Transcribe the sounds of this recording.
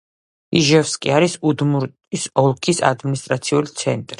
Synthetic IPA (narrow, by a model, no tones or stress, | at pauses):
iʒɛfskʼḭaɾisud̪muɾʼ | isɔlˠkʰisa̰d̪minist̪ʼɾat̪sʰiulit̪sʰɛnt̪ʼɾi